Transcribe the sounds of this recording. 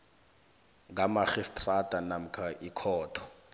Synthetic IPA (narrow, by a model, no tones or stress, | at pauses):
ŋɡamaχistʼratʼanam̩kʰaʔikʰɔːtʰɔ̥